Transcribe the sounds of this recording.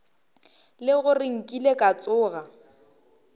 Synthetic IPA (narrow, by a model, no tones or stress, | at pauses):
lɪɣʊrɪŋ̩kʼilekʼat͡sʼʊːɣa